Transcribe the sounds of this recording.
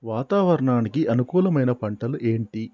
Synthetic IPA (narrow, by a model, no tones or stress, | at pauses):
ʋaːt̪aːʋɐɾɐɳaːnikiʔɐnukuːlɐmɐjnɐpɐɳʈɐluʔe̞ːɳʈi